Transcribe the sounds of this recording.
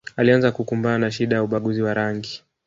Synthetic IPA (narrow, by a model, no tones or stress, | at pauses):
alianzakukumbananaʃ̬iɗajauɓaɠuziwaɾaŋɡi